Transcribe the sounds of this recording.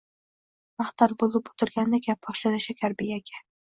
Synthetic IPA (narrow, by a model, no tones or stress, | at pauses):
maχt̪ɒɾbolˠɪpo̥t̪ʰɪɾɡʲand̪akʲap̚bɒʃlanɪʃakʲʰaɾbijaɡʲʰa